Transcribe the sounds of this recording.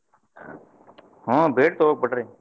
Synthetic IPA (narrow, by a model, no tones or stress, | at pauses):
ɦõːbʱeːʈt̪ooːk̚pəʈɾeː